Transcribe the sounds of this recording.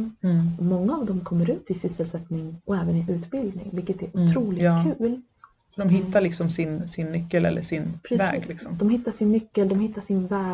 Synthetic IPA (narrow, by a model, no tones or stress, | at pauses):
mɔŋːaːvd̪ɔmkʰɔmːəɾʉ̟ːt̪ɪsʏsːəlsɛt̪nɪŋɔɛːvənɪʔʉ̟ːt̪bɪld̪nɪ̰ŋvɪlkːət̪æɾʊt̪ʰɾuːlɪɑːkʰʉ̟ːl | sɔd̪ɔmɦɪt̪ːalɪksɔmsɪnsɪnːʏkːəlɛ̰lːə̰ʂɪnpʰɾɛvɛ̰ːɡlɪksɔmd̪ɔmɦɪt̪ːaʂɪnːʏkːəld̪ɔmhɪt̪ːaʂɪnvæː